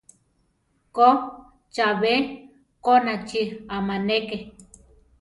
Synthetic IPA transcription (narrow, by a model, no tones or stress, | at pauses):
ko | t͡ʃaβe | konat͡ʃiamaneke